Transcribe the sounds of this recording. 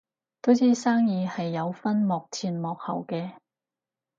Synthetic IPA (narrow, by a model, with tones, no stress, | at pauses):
t̪o˥wt͡siː˥saː˥ŋjiː˨˧hɐ˨jːɐ˨˧wfɐ˥nmɔː˨˩k̚t͡sʰiː˧nmɔː˨k̚hɐ̰˨˩wkɛː˧